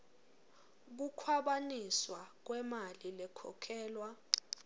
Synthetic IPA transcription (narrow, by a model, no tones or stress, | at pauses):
k̬ukʰwaɓaniswak̬wɛmalilɛkʰɔ̰kʰɛːlwa